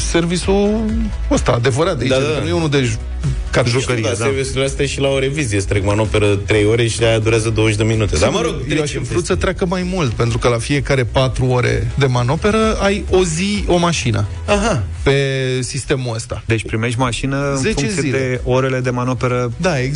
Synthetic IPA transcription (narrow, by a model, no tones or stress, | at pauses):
se̞rvisu | əst̪a̰ːd̪e̞vəɾat̪̚d̪ainujeunuld̪e̞ʒ | kaʒokəɾievisulast̪aʃilaoɾe̞vizijest̪ɾekmano̞pe̞ɾət̪ɾe̞jo̞ɾe̞ʃiajad̪uɾeazəd̪oəʃd̪eminut̪ed̪aməɾoɡjeaʃifɾut̪sət̪ɾeakəmajmult̪̚pe̞nt̪ɾukəlafie̞kaɾe̞pat̪ɾuo̞ɾḛd̪e̞mano̞pe̞ɾəajo̞zio̞maʃinʔə̰ | aɦape̞sist̪e̞muəst̪ad̪e̞t͡ʃʲpɾimeʃt̪ʲmaʃinəɨnzet͡ʃezkɨileoɾe̞le̞d̪e̞manope̞ɾəd̪ae